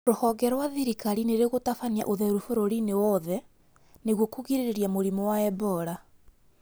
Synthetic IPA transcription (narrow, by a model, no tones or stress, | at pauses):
ɾohɔɡɛɾwaðiɾikaɾineɾeɣotafania̰ʔoðɛɾufoɾoɾinewɔðɛ | neɣwokuɣiɾeɾeɾjamoɾimɔwaɛbɔɾa